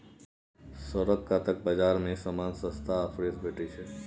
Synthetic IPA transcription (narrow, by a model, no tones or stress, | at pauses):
səɾəɡkat̪ək̚bəd͡ʒaɾmẽsəmansə̃st̪ʰaːfɾesbeʈʰit͡ʃʰe